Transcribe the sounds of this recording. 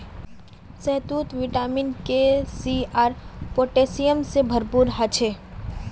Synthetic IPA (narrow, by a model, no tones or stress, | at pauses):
sɛɦt̪uːt̪ʋiʈaːminkesiaːɾpoʈesijəmsebʱəɾpuːɾɦət͡ʃʰe